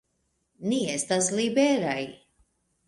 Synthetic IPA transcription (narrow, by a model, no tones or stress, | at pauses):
niest̪as̬libeɾaj